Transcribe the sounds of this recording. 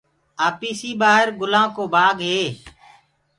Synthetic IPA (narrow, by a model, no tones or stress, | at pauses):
aːpiːsiːbaːɦəɾɡʊlãːkoːbʱaːɡɦeː